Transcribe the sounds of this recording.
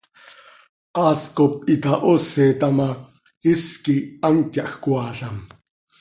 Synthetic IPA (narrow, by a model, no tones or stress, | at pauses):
ʔɑːskop̚it̪ɑʔoseːt̪ɑmɑ | iskiɑntjɑʔxkwɑːɬɑm